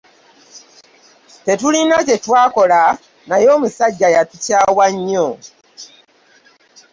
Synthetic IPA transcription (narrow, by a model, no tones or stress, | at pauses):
te̞tulinace̞twaːko̞la | najo̞ːmusaɟːajatucaːwaɲːo